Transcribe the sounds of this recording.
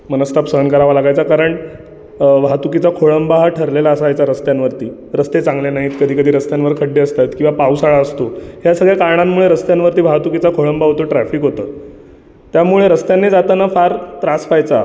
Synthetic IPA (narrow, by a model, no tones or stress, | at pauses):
m̤ənəst̪ʰapsəɦənkəɾaʋalaɡajt͡sakaɾəɳʈ | ʋat̪ukit͡sakʰoɭəmbaɦʈʰəɾlelaəsajt͡saɾəst̪janʋəɾt̪iː | ɾəst̪et͡sãŋɡlenaɦiːt̪kəd̪ʱiːkəd̪ʱiːɾəst̪janʋəɾkʰəɽeəst̪at̪kĩʋapausaɭaəst̪oɦjasəɡɭjakaɾɳamːuɭeɾəst̪janʋəɾt̪iːʋ̤aɦt̪ukit͡sakʰoɭəmbaɦot̪oʈɾæfiːkɦot̪əː | t̪jamuɭeɾəst̪janːiːd͡zat̪ənafaɾt̪ɾasfajt͡sa